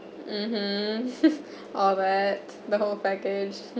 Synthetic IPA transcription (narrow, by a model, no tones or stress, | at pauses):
m̩m̥m̩ | ɔlˠðæt | ðəɦoʊlˠpækɪ̥d͡ʒ